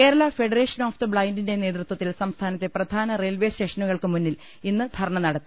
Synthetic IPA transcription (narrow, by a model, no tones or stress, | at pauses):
ke̞ːɾɐɭɐfe̞ɖɐre̞ːʂɐnoːfd̪ɐbɭɐjndinde̞ne̞ːt̪rut̪wɐt̪ːilsɐmst̪ʰaːnɐt̪ːe̞prɐd̪ʱaːnɐre̞ːlʋe̞ːsteːʂɐnuɣɐɭkɨmunːil | inːɨd̪ʱɐɾɐɳɐnɐɽɐt̪ːi